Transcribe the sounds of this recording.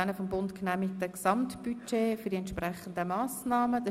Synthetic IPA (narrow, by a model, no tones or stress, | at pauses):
nəfɔmbʊntknæmɪktəksɑmtb̥yt͡ʃeːfyɐdiɛntʃprɛχən̩dəmɑːsnɑːməd̥ɑ